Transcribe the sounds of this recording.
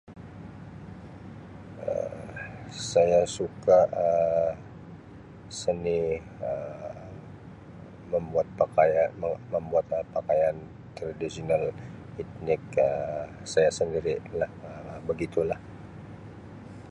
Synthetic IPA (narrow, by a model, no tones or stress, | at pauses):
ə̰ | sajasukaʔə | səni | ə | məmbuat̪̚pakajaəməmbuat̪̚əpakajan | t̪ɾadisional | it̪̚nɪk̚əsajasəndiɾilahəbəɡit̪ulah